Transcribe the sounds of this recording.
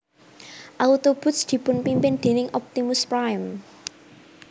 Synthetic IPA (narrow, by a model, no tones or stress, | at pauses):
ʔawut̪ob̥ʊ̤sd̪̥i̤pʊnpimpɪnd̪̥e̤nɪŋʔɔp̚t̪imʊspɾajm